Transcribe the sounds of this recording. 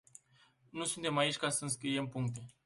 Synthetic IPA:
nusunt̪e̞mait͡ʃʲkasəɨnskɾije̞mpuŋkt̪e̞

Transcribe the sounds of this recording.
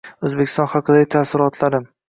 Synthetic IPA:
ɵzbekʲʰɪ̥st̪ɒnχɑqʰɨd̪aɡʲɪt̪ʰasɪɾɒt̪ʰlaɾɪm

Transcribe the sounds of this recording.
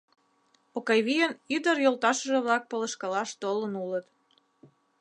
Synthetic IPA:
okɑjβijənyd̪əɾjolt̪ɑʃə̆ʒĕβlɑk̚poləʃkɑlɑʃt̪olənulət̪

